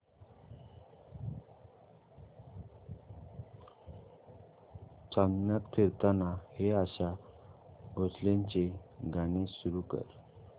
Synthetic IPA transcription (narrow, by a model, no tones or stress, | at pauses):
t͡sannjat̪k̪ʰiɾt̪anaheaɕa | ɡʱoslaɲt͡ɕeɡaɽ̃esuɾukə̰ɾ